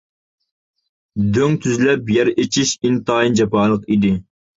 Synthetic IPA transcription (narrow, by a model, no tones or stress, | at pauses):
d̪øŋt̪ʰyzlɛpjɛɾet͡ʃʰiʃint̪ɑːind͡ʒɑpɑːlˠəqid̪ɪ